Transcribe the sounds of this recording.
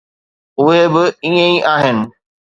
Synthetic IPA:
ʊɦebɪiːə̃iʔaːɦɪnɪ̆

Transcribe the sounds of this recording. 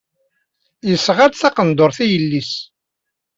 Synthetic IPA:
jəsʁad̪θɑqənd̪oɾˤθijəlːis

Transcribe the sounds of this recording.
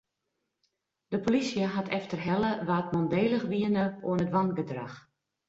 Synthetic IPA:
d̥əpolisjəɦatʰɛftərɦɛləʋaːtmɔndeːləxʋiənəṵənətʋanɡədrax

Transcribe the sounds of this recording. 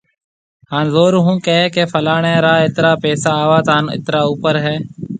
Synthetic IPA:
haːnzoːɾɦũːkeːkeːfʰəlaːɳeːɾaːɪt̪ɾaːpɛːsaːʋaːt̪aːnɪ̰t̪ɾaːuːpəɾɦɛː

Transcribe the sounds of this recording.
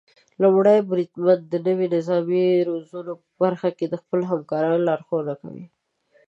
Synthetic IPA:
lʊmɽajbɾid̪mand̪ənəwinɪzɑmiɾozunopəbaɾxaked̪əxpəloɦamkɑɾɑnlɑɾxonaka̰wḭ

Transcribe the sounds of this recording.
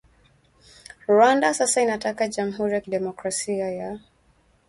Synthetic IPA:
ɹwandasasainatakad͡ʒam̩ɦuɾijakiɗɛmɔkɹasiaja

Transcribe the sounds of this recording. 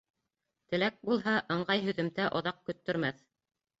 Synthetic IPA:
t̪ɘ̆læk̚bulˠɦɑʔɤ̆ɴɢɑjɦɵ̆ðɵ̆mt̪æʔŏðɑq̚kɵ̆t̪ːɵ̆ɾmæθ

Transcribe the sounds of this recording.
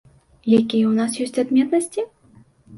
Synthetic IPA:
jakʲijɛwnas̬jɔsʲt͡sʲad̪mʲɛt̪nɐsʲt͡sʲi

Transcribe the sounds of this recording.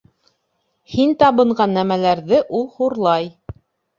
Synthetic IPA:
hint̪ɑβɤ̆ɴɢɑnːæmælæɾðɘʔulˠhuɾlˠɑj

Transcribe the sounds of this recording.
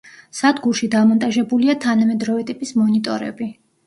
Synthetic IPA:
sad̪ɡuɾʃid̪amɔnt̪ʼaʒɛbuliat̪ʰanamɛd̪ɾɔvɛt̪ʼipʼismɔnit̪ʼɔɾɛ̰bi

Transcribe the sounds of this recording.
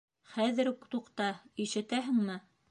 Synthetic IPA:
χæðɘ̆ɾkt̪uqt̪ɑiʃɘ̆t̪æɦɘ̆ŋmɘ

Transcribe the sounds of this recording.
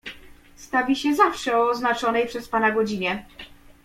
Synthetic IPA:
st̪avʲiɕɛzafʂɛɔːznat͡ʂɔnɛjpʂɛspanaɡɔd͡ʑiɲɛ

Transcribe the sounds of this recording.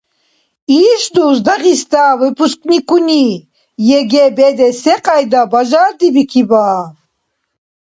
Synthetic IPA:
iːsd̪uːsd̪aʁist̪avɛpʰuskʼnikʰuni | jɛɡɛbɛd̪ɛsɛqʼajd̪abaʒaːɾd̪ibikʰibaː

